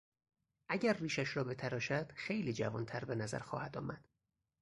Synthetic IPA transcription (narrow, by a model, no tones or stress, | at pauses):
ʔæɟæɾːiːʃæʃɾɒːbe̞t̪ʰæɾɒːʃæd̪̥xejliːd͡ʒævɒːnt̪ʰæɾbe̞næzæ̰ɾxɒːhæd̪ɒːmæd̪̥